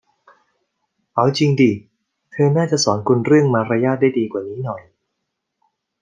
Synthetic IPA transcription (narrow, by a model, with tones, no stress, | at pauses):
ʔa˩˦wt͡ɕi˧ŋdiː˨˩ | t̪ʰɤː˧naː˥˩t͡ɕa˨˩sɔː˩˦nkʰu˧nɾɯ˥˩əŋmaː˧ɾa˧jaː˥˩t̪̚da˥˩jdiː˧kwaː˨˩niː˦˥nɔ˨˩j